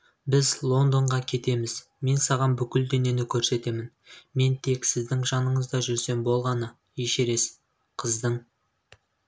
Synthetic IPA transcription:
bɪzlˠo̞nd̪o̞ɴʁɑkʲʰe̞t̪e̞mɪz̥ | me̞nsɑʁɑnbʏkʲɪld̪ene̞nɪkʲʰɵɾse̞t̪e̞mɪn | me̞nt̪ʰe̞ksɪzd̪ɪŋʒɑnəɴəzd̪ɑʒʏɾse̞mbo̞lˠʁɑnə | jeʃe̞ɾe̞s | qʰəzd̪əɴ

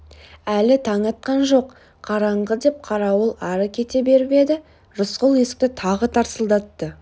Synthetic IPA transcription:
ælɪt̪ʰɑɴɑt̪̚qɑnʒo̞q | qʰɑɾɑɴʁəd̪e̞p̚qʰɑɾɑwəlˠɑɾəkʲʰe̞t̪ebe̞ɾbe̞d̪ɪ | ʒʊsqʊlˠje̞sɪ̥k̚t̪ɪt̪ʰɑʁət̪ʰɑɾsəlˠd̪ɑt̪ːə

